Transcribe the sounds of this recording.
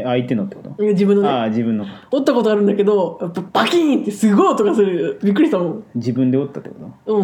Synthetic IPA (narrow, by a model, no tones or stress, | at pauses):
ait̪e̞not̪ːekot̪oimad͡ʑibɯ̃nːonad͡ʑibɯ̟̃nːoot̪ːako̞t̪oaɾɯ̟̃nd̪ake̞d̪o̞japːapakʲĩnt̪ːesɨɡoːt̪o̞kasɨɾɯbʲik̬ːɯ̟ɾiɕt̪amõd͡ʑibɯ̟̃nd̪eot̪ːat̪ːekot̪oɯ̟̃